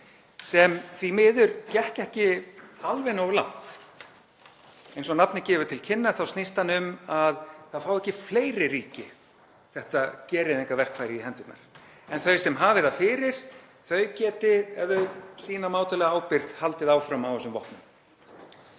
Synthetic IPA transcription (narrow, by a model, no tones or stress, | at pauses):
sɛmθvimɪːðʏɾcɛhcɛhcɪalvɛnowɣʏɾla̰wn̥t̪ | ejnsɔnapnɪcɛːvʏɾ̥t̪ʰɪlcʰɪnːḁθawst̪nist̪hanːʏmaðθaðfawɛhcɪfleːjɾɪɾiːcɪ | θɛht̪acɛːɾɪðeŋkavɛr̥kfaːjɾɪiɦɛnt̪ʏp̪na̰ɾ̥ | ɛnθœɥsɛmɦaːvɪðafɪːɾɪɾ̥ | θœɥcɛːt̪ɪɛðʏsiːnamaːwt̪ʏlɛɣaaːwpɪɾðhalt̪ɪðawfɾamawɛsʏmvɔ̰hp̪nʏm